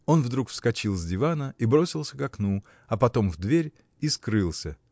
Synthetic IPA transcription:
o̞nvd̪ɾukfskɐt͡ɕilˠzʲdʲɪvanəibɾo̞sʲɪlˠsʲəkɐknu | ɐpɐt̪o̞mvd̪vʲeɾʲ | iskɾɨlˠsʲə

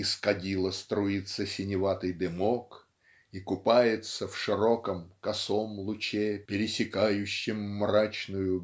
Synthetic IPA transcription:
ɪskɐdʲilˠəst̪ɾʊit̪sːəsʲɪnʲɪvat̪ɨjd̪ɨmok | ikʊpajɪt̪səfʂɨɾo̞kəmkɐsomlˠʊt͡ɕepʲɪɾʲɪsʲɪkajʉɕːɪmːrat͡ɕnʊjʊ

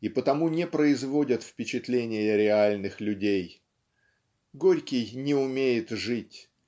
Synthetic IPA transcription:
ipət̪ɐmunʲɪpɾəɪzvo̞dʲət̪fpʲɪt͡ɕɪt̪lʲenʲɪjəɾʲɪalʲnɨxlʲʉdʲej | ɡoɾʲkʲɪjnʲɪʊmʲejɪt̪ʐɨtʲ

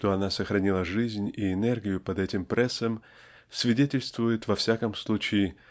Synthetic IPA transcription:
ʂt̪oɐnasəxɾɐnʲilˠəʐɨzʲnʲiɪnɛrɡʲɪjʊpɐd̪ɛtʲɪmpɾʲʔɛsːəm | svʲɪdʲetʲɪlʲst̪vʊjɪt̪vɐfsʲakəmslˠut͡ɕɪː

